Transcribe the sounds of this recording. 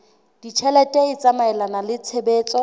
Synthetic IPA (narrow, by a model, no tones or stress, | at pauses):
d̥it͡ʃʰɛlɛtʼɛɪt͡sʼamaɛlanalɪt͡sʰebeːt͡sʼɔ